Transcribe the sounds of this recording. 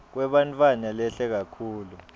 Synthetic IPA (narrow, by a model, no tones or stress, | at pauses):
k̬wɛɓantʼwanalɛɬɛk̬akʰuːlu